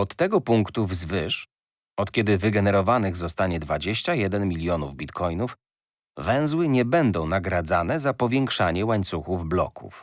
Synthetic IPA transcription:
ɔt̪ːɛɡɔpuŋkt̪uvzvɘʂ | ɔt̪kʲɛd̪ɘvɘɡɛnɛɾɔvanɘɣzɔst̪aɲɛd̪vad͡ʑeɕt͡ɕajɛd̪ɛnmʲilʲjɔnuvbʲit̪kʰɔjnuf | vɛ̃w̃zwɘɲɛbɛnd̪ɔ̃w̃naɡɾad̪zanɛzapɔvʲjɛŋkʂaɲɛwaɲt̪suxuvblɔ̰kṵf

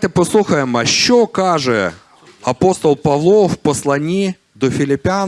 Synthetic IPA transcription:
t̪əpɐslˠuxəjɪmɐɕːokaʐɨ | ɐpost̪əlˠpɐvlˠofpəslˠɐnʲi | d̪ofʲɪlʲɪpʲɪan

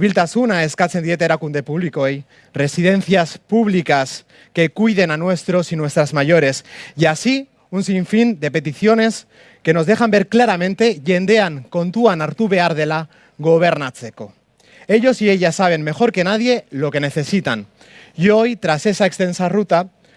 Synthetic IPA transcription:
βilt̪asunae̞skat͡se̞nd̪iet̪eɾakund̪e̞puβ̞likoej | re̞sið̞e̞n̟θiaspuβlikas | ke̞kujðe̞nanwe̞st̪ɾo̞sinwe̞st̪ɾazmaʝo̞ɾe̞sjasi | unsiɱfind̪e̞pe̞t̪iθjo̞ne̞s | ke̞no̞zðexambe̞ɾklaɾamẽ̞nt̪e̞ʎe̞nd̪e̞aŋko̞nt̪uanaɾt̪uβeaɾðe̞la | ɣo̞β̞e̞ɾnat͡seko̞ | e̞ʎo̞sie̞ʎasaβ̞e̞nme̞xo̞ɾke̞nað̞je̞lo̞ke̞ne̞θe̞sit̪an | jo̞jt̪ɾase̞saekst̪e̞nsarut̪a

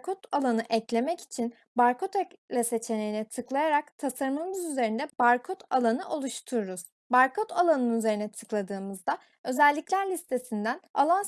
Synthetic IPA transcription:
kʰot̪ʰalˠanɯʔɛclʲe̞mɛci̥t͡ʃʰin | baɾko̞t̪ʰɛklʲˠase̞t͡ʃʰe̞ne̞jinɛt̪ʰɯklˠajaɾakt̪ʰasaɾmamɯzyze̞ɾind̪ɛbaɾkʰot̪ʰalˠanɯʔo̞lˠuʃt̪ʰuɾuɾuz̥ | baɾkʰot̪ʰalˠanɯnyze̞ɾinɛt̪ʰɯklˠad̪ɯːmɯzd̪a | ø̞zælʲːiclʲæɾlʲist̪ʰe̞sind̪æna̰lˠan

